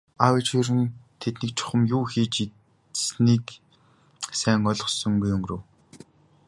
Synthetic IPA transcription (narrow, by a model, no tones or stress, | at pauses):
awet͡ɕiɾɘ̆nt̪ʰet̪nĭkt͡ɕʰʊ̥χə̆mjuːxiːt͡ɕi | sniːk | sæːŋɔɮɞ̆sɞ̆ŋɡujɵŋɡrow